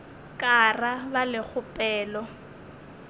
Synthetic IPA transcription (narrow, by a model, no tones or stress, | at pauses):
kʼarabalɪk͡xʰʊpʼɛːlɔ